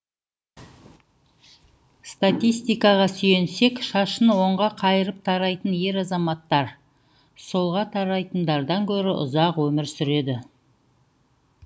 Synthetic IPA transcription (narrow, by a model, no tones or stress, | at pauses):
st̪at̪ijst̪ijkɑʁɑsʏje̞nse̞kʃɑʃənwo̞ɴʁɑqʰɑjəɾəp̚t̪ʰɑɾɑjt̪ənje̞ɾɑzɑmɑt̪ːɑɾ | so̞lˠʁɑt̪ʰɑɾɑjt̪ənd̪ɑɾd̪ɑŋkʲʰɵɾɪʔʊ̰zɑqwɵmɪɾsʏɾe̞d̪ɪ